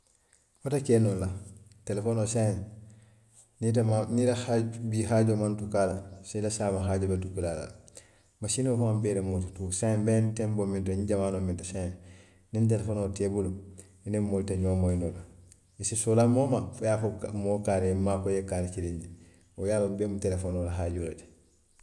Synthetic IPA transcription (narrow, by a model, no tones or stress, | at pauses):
fotakeːnolːatelefonosa | nitamaniɾahabiɦaɟomantukalasidasaːmaɦaɟobatukilala̰l | masinofumambeːɾemotutusabentembomint̬oɲɟamaːnomintasa | nint̬elefoːnotebulu | inemoːltaɲoːmoinola | esisolaːmomafojafokmoːkaːɾemakojekaːɾt͡ʃiɾeɲɟi | ojaːlːabeːmutelefoːnolaɦaːɟoɾeti̥